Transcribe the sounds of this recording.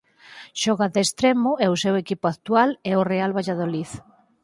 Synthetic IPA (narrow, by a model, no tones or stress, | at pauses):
ʃɔɣaðest̪ɾɛmʊɛʊsɛwekipʊakt̪ualɛorealβajʎaðoliθ